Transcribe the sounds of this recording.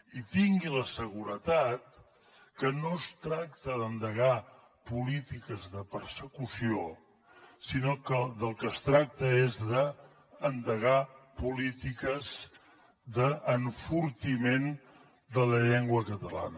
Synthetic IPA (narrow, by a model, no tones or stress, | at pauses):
it̪iŋɡiləsəɣuɾət̪at̪̚ | kənost̪ɾak̚t̪əðənd̪əɣa | pulit̪ikəzðəpəɾsəkusio | sinokəd̪əlˠkəst̪ɾak̚t̪əezðəː | nd̪əɣapulit̪ikəz | d̪əːɱfuɾt̪imen | d̪ələʎeŋɡwəkət̪əla̰nə